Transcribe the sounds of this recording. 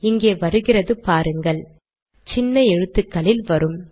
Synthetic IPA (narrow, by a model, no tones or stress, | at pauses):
ɪŋɡeːʋɐɾɯɣɪrɐðɯpaːɾɯŋɡɐɭ | t͡ʃɪnːɐɛɻɯt̪ːɯkːɐɭɪlʋɐɾɯm